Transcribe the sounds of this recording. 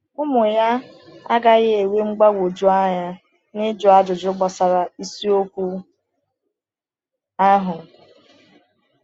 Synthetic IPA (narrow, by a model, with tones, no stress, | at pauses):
ʊ˦mʊ˨ja˦ | a˦ɡa˦ɣɪ˦e˨we˦ŋ͡m̩˦ɡ͡ba˦ɡʷo˨d͡ʒu˦a˦ɲa˦ | nɪ˦d͡ʒʊ˨˦a˦d͡ʒʊ˨d͡ʒʊ˦ɡ͡bɔ˨sa˨ɾa˨i˦si˦o˦kʷu˦ | a˦ɦʊ˨